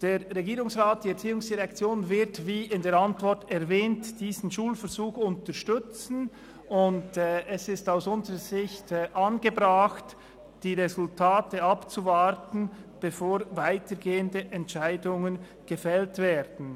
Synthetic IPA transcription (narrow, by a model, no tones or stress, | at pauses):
d̥eːʁːeɡiːʁʊŋsʁaːt̚d̥iːɛɐɾt͡siːʊŋsd̥iʁɛk̚t͡sjoːnvɪɾtviːɪndeːɾantvɔɾtɛɾvɛːntd̥iːzn̩ʃuːlfɛɾzuːxʊntəʃtʏt͡sn̩ | ʊndɛsɪstaʊsʊnzəʁəzɪçtːʔɑnɡəbʁaxt | d̥iːʁezʊltʰaːtəɑpt͡suvaɾtn̩b̥efoːɾvaɪtəɾɡeːəndəʔɛntʃaɪdʊŋən | ɡ̥əfɛltv̥ɛːɾd̥n̩